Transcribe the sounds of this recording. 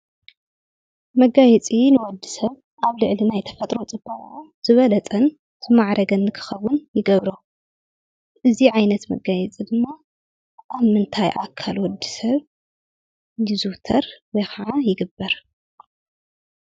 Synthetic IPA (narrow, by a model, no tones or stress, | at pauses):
mɐɡajɛt͡sʼinɨwɔd̪ːisɐβ | ʔaβlɨʕlinajt̪ʰɐ̥fɐt̪ʼɾo̞t͡sʼɨb̥ːɐʔʼʕ | z̥ɨβɐlɐt͡sʼɐn | z̥ɨmaʕɾʔɐɡɐnːɨkʰɨ̥xɐwʊnjɪɡɐβɾo | ʔɨziʕajnɐt̪mɐ̰ɡajɛt͡sʼid̪ɨmːa | ʔaβmɨnt̪ʰajʔa̰kʰːalwɔd̪ːi̥sɐβ | jɪzut̪ʰɐɾwɔjxɐʕajɪɡɨbːɐɾ